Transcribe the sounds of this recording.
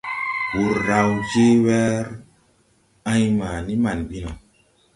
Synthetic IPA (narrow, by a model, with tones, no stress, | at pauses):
wu˨ɾɾa˨wd͡ʒe˦wɛ˦ɾ | ã˦jma˨ni˦ma˨nɓi˦na˨